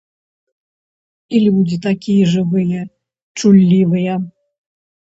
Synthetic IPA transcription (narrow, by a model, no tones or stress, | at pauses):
ilʲud͡zʲit̪akʲijɛʐɨvɨjɛ | t͡ʂulʲːivɨjɛ